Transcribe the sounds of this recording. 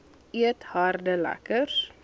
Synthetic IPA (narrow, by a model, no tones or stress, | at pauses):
iəthɑrdəlæ̰kərs